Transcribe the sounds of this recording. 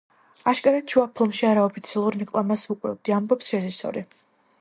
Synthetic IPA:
aʃkʼaɾad̪t͡ʃʰuapʰlˠɔmʃiaɾaɔpʰit̪sʰialˠuɾɾɛkʼlˠamasukʼvɾɛ̰b̚d̪iambɔpsʃɛzisɔ̰ɾi

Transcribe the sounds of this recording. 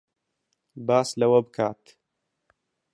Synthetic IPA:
baːslɐwɐbɨkʰaːt̪

